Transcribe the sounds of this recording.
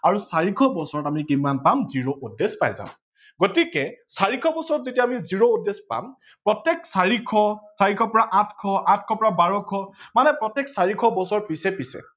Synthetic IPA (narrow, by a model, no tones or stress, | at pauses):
aɹusaɹikʰɔbɔsɔɹɔtamikimanpamziɹoʔudespa̰jzã̰m | ɡotikɛsaɹikʰɔbɔsɔɹɔtzetiaːmiziɹoudespa̰m | pɹɔtjɛksaɹikʰɔsaɹikʰɔpɔɹaʔatʰkʰɔatʰkʰɔpɔɹabaɹɔkʰɔmanɛpɹɔtːɛksaɹikʰɔbɔsɔɹpisɛpisɛ̰